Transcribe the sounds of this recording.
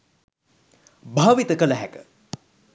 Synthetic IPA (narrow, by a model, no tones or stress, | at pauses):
bʱaːʋit̪əkələɦækə